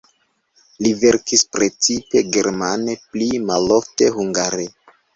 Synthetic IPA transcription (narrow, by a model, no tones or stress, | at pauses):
live̞ɾkispɾe̞t͡sipe̞ɡe̞ɾmane̞plimalo̞fte̞huŋɡaɾe